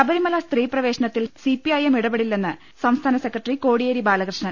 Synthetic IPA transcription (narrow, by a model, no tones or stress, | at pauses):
ɐbɐɾimɐlɐst̪riːprɐʋe̞ːɕɐɳɐt̪ːilsipiɐjemiɽɐbɐɽilːenːɨ | sɐmst̪ʰaːnɐsekrɐʈriko̞ːɽijeɾibaːlɐɣrɨʂɳɐl